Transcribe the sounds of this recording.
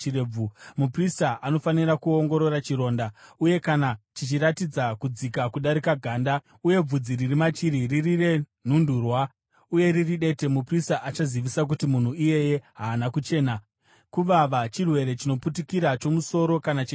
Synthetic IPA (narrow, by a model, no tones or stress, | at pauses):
ireumupristaʔano̞faniɾakuoŋɡo̞ɾo̞ɾat͡ʃiɾo̞ːndauje̞kanat͡ʃit͡ʃiɾatid͡zakud͡zikakuɗaɾikaɡʱaːnda | uje̞b͡vud͡ziɾirimat͡ʃiɾiririre̞ | n̤unduːrwa | uje̞ɾiriɗe̞te̞mupristaʔat͡ʃaziʋisak̬utimun̤uije̞je̞ɦaːnakut͡ʃe̞ːna | kuʋaʋat͡ʃirwe̞ɾe̞t͡ʃino̞putikiɾat͡ʃo̞muso̞ɾo̞kanat͡ʃi